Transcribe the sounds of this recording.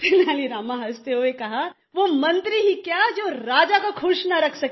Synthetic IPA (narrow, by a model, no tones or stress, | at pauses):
t̪ɪnaliɾaːmãɦɐst̪eoekɐɦa | ʋomɐ̃nt̪ɾiɦikjaːd͡ʒoːɾaːd͡ʒakakʰʊʃnaɾɐkʰsɐk